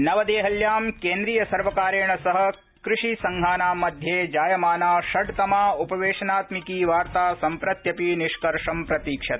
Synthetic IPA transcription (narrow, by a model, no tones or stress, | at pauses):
nɐʋɐd̪eːɦɐljaːmkeːnd̪ɾiːjɐsɐɾʋɐkaːɾeːɳɐsɐɦɐ̆ | kɾɪʂisɐŋɡʱaːnaːmɐd̪ʱjeːd͡ʒaːjɐmaːnaːʃɐɖt̪ɐmaːupɐʋeːʂɐnaːt̪mikiːʋaːɾt̪aːsɐmpɾɐt̪jɐpiniʃkɐɾʂɐmpɾɐt̪iːkʂɐt̪